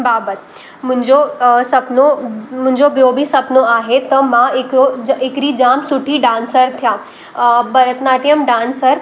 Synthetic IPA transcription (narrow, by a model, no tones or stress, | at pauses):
baːbət̪ | mʊ̃ɲd͡ʑosɐpnomʊ̃ɪ̃ɲd͡ʑobjobʱisɐpnoaːɦet̪ɐmãɪkɾoɪkɾid͡ʑaːmsʊʈʰiɖãːnsəɾt̪ʰjaː | bɐɾət̪naːʈijəmɖãːnsəɾ